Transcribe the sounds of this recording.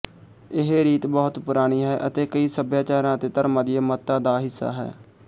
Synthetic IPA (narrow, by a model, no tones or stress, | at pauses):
ɪɦeːɾiːt̪bɔːt̪pʊɾaːɽ̃iːɦɛːʔət̪eːkəiːsəbjaːt͡ʃaːɾãːət̪eːt̪əɾmãːd̪ijaːmət̪ːãːd̪aːɦɪsːa̰ːɦɛ̰ː